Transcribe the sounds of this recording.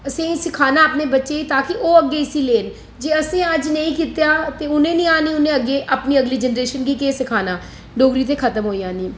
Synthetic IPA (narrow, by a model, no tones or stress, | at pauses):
əsẽːsɪkʰaːnaːpneːbətːʃeːit̪aːkɪʔoːəɡːeːɪsiːleːn | d͡ʒeːəsẽːəd͡ʒnəĩːkiːt̪ejaːt̪eːʊnẽːnĩːaːniːʊnẽːəɡːeːʔapniːəɡliːd͡ʒɛnɾeːʃənɡiːkeːsɪkʰaːnaː | ɖoːɡɾiːt̪̬eːkʰət̪əmɦoːijãːnĩː